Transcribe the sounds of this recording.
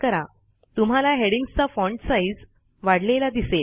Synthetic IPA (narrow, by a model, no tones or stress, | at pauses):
kəɾa | t̪um̤alaɦeɽiŋɡst͡safɔ̃ɳʈsaid͡z | ʋaɽlelad̪ise